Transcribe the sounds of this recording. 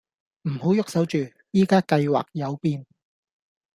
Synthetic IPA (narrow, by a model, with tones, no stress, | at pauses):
m̩˨˩ho˨˥wjʊ˥k̚sɐ˨˥wt͡ʃyː˨˩ | jiː˥kaː˥kɐ˧jwa̰ː˨k̚jɐ˨˧wpiː˧n